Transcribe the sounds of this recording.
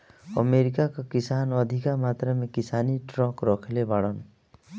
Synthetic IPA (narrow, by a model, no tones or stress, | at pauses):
ʌ̰meɾikakakisanʌd̪ʱikamat̪rʌmekisaniʈrʌkrʌkʰelebaɽʌn